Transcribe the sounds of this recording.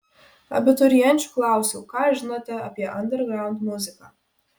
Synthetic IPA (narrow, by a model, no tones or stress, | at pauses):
ɐ̰bʲɪt̪ɔɾijɛnʲt͡ʃu̥klˠawsukaʒnɐt̪ɐɐpʲjɛʔɐnd̪ɛɾɡɾawnd̪muzɨkɐ